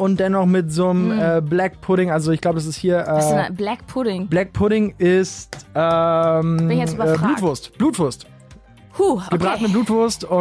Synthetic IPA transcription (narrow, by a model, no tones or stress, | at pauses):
ʔʊnt̚d̥ɛnɔχmɪtzoːmɛːblɛk̚pʰʊɾɪŋʔalzoɪçɡ̥laʊbədas̬ɪsthiːɐʔɛːblɛkpʰʊɾɪŋb̥lɛk̚pʰʊɾɪŋʔɪstʔɛmɛbluːtvʊɐstb̥luːtv̥ʊɐst | huɡəbʁaːtənəbluːtv̥ʊɐstʊ